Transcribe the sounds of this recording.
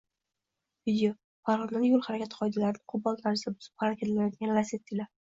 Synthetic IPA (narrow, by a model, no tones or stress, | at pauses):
vid̪ʲejo | paɾʁɒlˠd̪anjolˠhaɾakʲat̪qʰɒjd̪alaɾɪnɪqʰʊbɒlˠt̪ʰaɾɪsabʊzɪ̥p̚χaɾakʲʰat̪ʰlajɔt̪̚ɡʲanlaset̪ːɪla